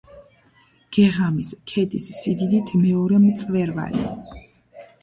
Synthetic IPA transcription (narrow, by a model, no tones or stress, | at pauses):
ɡ̥ɛʁamiskʰɛd̪isːid̪id̪it̪ʰmɛɔɾɛmt̪sʼvɛɾva̰lḭ